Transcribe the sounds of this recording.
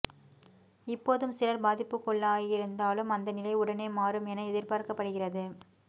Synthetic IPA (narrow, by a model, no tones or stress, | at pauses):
ɪpːoːðɯmsɪlɐɾbaːðɪpːɯkːɔɭːaːɣɪɾɯnd̪aːlɯmɐnd̪ɐnɪlɐɪʊɽɐneːmaːɾɯmɛnɐɛðɪɾpaːɾkɐpːɐɽɯɣɪrɐðɯ